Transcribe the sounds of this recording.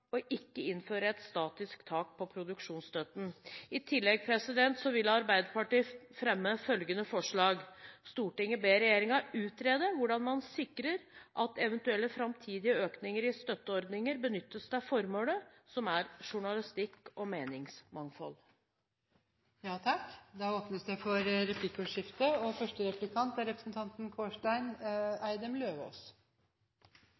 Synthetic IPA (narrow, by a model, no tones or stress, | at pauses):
ɔʔɪkːəɪnføːɾəɛt̪st̪ɑːt̪ɪsk̚t̪ʰɑːk̚pʰɔpʰɾʊd̪ʉkʂuːnst̪œt̪n̩ɪt̪ʰɪlːɛɡ̚pʰɾɛsɪd̪ɛnt̪sɔʋɪlːɑɾbæɪd̪əɾpɑʈiːfɾɛmːəfœlɡənəfɔʂɭɑːɡst̪uːʈɪŋəbeːɾɛjeːɾɪŋɑʉːt̪ɾeːd̪əʋʊɖɑnmɑnsɪkɾəɾʔɑt̪ɛʋənt̪ʉɛlːəfɾɑmt̪ʰiːd̪ɪəøːknɪŋəɾɪst̪œt̪ːəɔɾd̪nɪŋəɾbənʏt̪ːəsd̪æfɔɾmoːlə | sɔmæɾʂʊɳɑlɪst̪ɪkːɔmeːnɪŋsmɑŋfɔ̰l | jɑːt̪ʰɑkd̪ɑoːpnəsd̪æɪfɔɾɾɛpʰlɪkːɔːʂɪft̪əɔfœʂʈəɾɛplɪkʰɑnt̪æɾɛpɾəsnt̪ʰɑnt̪n̩kʰoːʂʈæɪnæɪd̪əmløːʋo̰ːs